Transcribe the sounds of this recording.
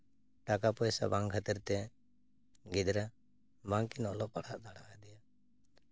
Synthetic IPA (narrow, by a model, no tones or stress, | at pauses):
ʈakapɔjsa̰baŋkʰat̪iɾt̪ɛ | ɡid̪ɾa | baŋkinɔlɔʔpaɽaʔd̪aɽakad̪ɛja